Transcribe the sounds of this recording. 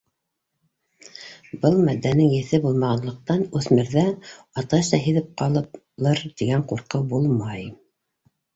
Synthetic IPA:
bɤlˠmæd̪ːænɘŋjɘ̆θɘbulˠmɑʁɑnlˠɤ̆q̚t̪ɑnʉθmɘ̆ɾðæ | ɑt̪ɑʃt̪ɑɦĭðɘp̚qɑlˠɤp | lˠɤɾt̪iɡæɴquɾqɤbulˠmɑj

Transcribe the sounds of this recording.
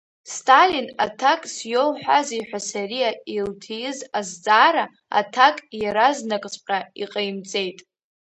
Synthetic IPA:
stʰʼalina̰tʰakʼsjowħʷᶣaziħʷᶣasaɾijailtʰijɪzazd͡zaːɾa | a̰tʰakʼjaɾaznakʼt͡sʼqʲʼaiqʼejmt͡sʼe̞jtʼ

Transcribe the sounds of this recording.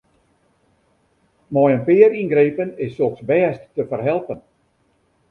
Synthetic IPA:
mɔjənpɪəɾinɡreːpənɪsːoxsbɛːstːəfərɦɛlˠpən

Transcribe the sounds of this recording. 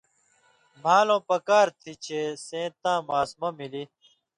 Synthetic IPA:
m̤aːlõːpɐkaːɾt̪ʰit͡ɕʰesẽːt̪ãːmaːsmɐmili

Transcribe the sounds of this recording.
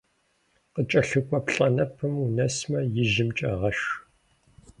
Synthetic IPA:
qət͡ʃʼɐɬɨkʷʼɔpɬʼɐnɐpʰɨmunɐsmɐjɪʒɪmt͡ʃʼɐʁɐʃ

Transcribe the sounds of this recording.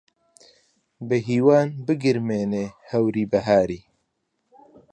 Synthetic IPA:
bɨɦiːwaːnbɨɡɪɾmeːneːhɐwɾiːbɐɦaːɾiː

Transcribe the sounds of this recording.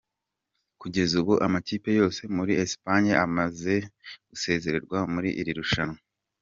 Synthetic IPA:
kuɟe̞zuβuʔamaciːpe̞jo̞ːse̞muɾiespaɲaamaze̞ɡ̥use̞ːze̞ɾe̞ɾɡwamuɾiʔiɾiɾuʃano

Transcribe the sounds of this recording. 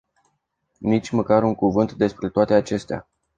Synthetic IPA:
nit͡ʃʲməkaɾuŋkuvɨnt̪d̪e̞spɾe̞t̪oat̪e̞at͡ʃe̞st̪ea̰

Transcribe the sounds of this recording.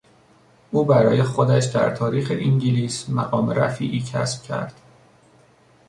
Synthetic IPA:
ʔuːbæɾɒːjexod̪æʃd̪æ̰ɾt̪ʰɒːɾiːxeʔiŋɟiliːsmæɣɒːmeɾæ̰fiːʔiːcʰæ̰sb̥̚cʰæ̰ɾd̪̥

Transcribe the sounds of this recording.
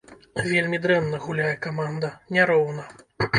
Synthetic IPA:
vʲelʲmʲid̪ɾɛnːɐɣulʲajɛkamand̪ɐnʲaɾɔwnɐ

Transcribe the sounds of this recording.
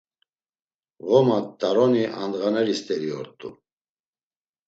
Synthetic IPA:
ɣɔmat̪ʼaɾɔniʔa̰nd̪ɣanɛɾist̪ʼɛɾiɔɾt̪ʼṵ

